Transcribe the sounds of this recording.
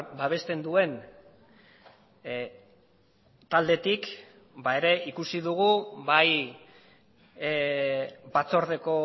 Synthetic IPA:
baβ̞e̞st̪e̞nd̪ue̞n | t̪ald̪e̞t̪ik | bae̞ɾe̞ikusiðuɣ̞ubaj | bat͡so̞ɾðe̞ko̞

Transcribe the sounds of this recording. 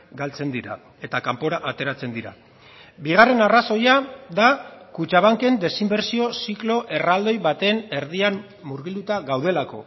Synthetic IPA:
ɡalt͡se̞nd̪iɾa̰ | e̞t̪akampo̞ɾaʔat̪e̞ɾat͡se̞nd̪iɾa̰ | biɣ̞are̞naraso̞jaðakut͡ʃaβ̞aŋke̞nd̪e̞simbe̞ɾsio̞siklo̞ʔe̞rald̪o̞jβat̪e̞ne̞ɾðian | muɾɣilut̪aɣawð̞e̞lako̞̰

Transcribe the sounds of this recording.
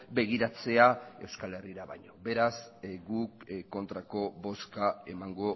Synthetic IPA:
be̞ɣ̞iɾat͡se̞ae̞wskale̞riɾaβa̰ɲo̞be̞ɾasɡukkːo̞nt̪ɾako̞βo̞skae̞maŋɡo̞

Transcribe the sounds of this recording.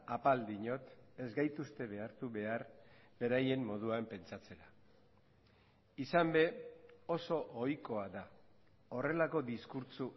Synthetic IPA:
apald̪iɲo̞t̪e̞zɡajt̪ust̪e̞βe̞aɾt̪uβe̞arbe̞ɾaje̞mːo̞ð̞uaempe̞nt͡sat͡se̞ɾa | isambe̞o̞so̞ʔojko̞aða | o̞re̞lako̞d̪iskuɾt͡su

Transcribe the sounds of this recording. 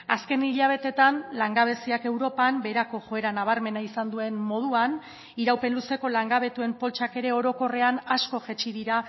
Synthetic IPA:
aske̞niʎaβ̞e̞t̪e̞t̪anlaŋɡaβ̞e̞siake̞wɾo̞pambe̞ɾako̞ʝo̞e̞ɾanaβ̞aɾme̞naisand̪ue̞nmo̞ð̞uan | iɾawpe̞nluse̞ko̞laŋɡaβe̞t̪ue̞mpo̞lt͡ʃake̞ɾe̞o̞ɾo̞ko̞re̞anasko̞ʝet͡ʃiðiɾa

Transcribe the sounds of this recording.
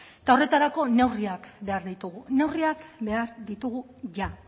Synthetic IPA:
t̪ao̞re̞t̪aɾako̞ne̞wriakbe̞aɾðit̪uɣune̞wriakβe̞aɾðit̪uɣu | ʝa

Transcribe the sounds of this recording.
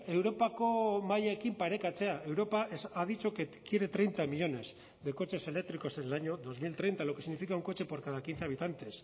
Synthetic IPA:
e̞wɾo̞pako̞maʎaekimpaɾe̞kat͡se̞ae̞wɾo̞paeaðit͡ʃo̞kekje̞ɾe̞t̪ɾe̞jnt̪amiʎo̞ne̞z | ðe̞ko̞t͡ʃe̞se̞le̞k̚t̪ɾiko̞senelaɲo̞ðo̞zmilt̪ɾe̞jnt̪alo̞keiɣnifikauŋko̞t͡ʃe̞po̞ɾkað̞akinθeaβ̞it̪ant̪e̞s

